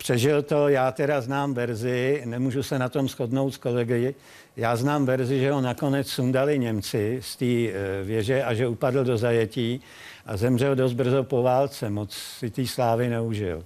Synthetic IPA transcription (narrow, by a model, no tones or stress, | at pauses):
pr̝̥ɛʒɪlt̪o̞jaːt̪ɛdaznaːmvɛɾzɪnɛmuːʒusɛnat̪o̞msxo̞dno̞wt̪sko̞lɛɡɪjɪ | jaːznaːmvɛɾzɪʒɛɦonako̞nɛt͡ssundalɪɲɛmt͡sɪst̪iːvjɛʒɛʔaʒɛupadl̩do̞zajɛciː | ʔazɛmr̝ɛldos̬t̪̚br̩zopo̞vaːlt͡sɛmot͡ssɪt̪iːslaːvɪnɛuʒɪ̰l